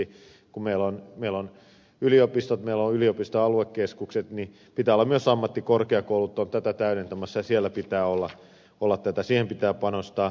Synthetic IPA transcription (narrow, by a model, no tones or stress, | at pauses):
i | kumeilonmeilon | yliopist̪ot̪meilːoyliopist̪oɑluekːeskukset̪ni | pit̪æːolːɑmyøsɑmːɑt̪ːikorkeɑkoulut̪ːont̪æt̪æt̪æynent̪æmæsːɑjɑsielːˑæpit̪æːolːɑ | olːɑt̪t̪æt̪æsiːhempit̪æːpɑnost̪ɑː